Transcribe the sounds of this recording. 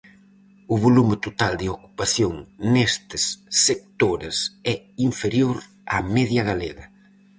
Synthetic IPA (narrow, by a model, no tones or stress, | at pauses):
ʊβolumɪt̪ot̪ald̪ɪoku̥paθjoŋnest̪ɪsːek̚t̪oɾɪsɛ | iɱfeɾjoɾ | a̰mɛðjɐɣaleɣɐ